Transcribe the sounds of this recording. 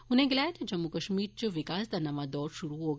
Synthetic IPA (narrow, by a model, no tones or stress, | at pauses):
ʊnẽɡlɛːted͡ʒɐmːukɐʃmiːɾt͡ʃoʋɪkaːsd̪anɐʋãd̪ɔːɾʃʊɾuɦoɡ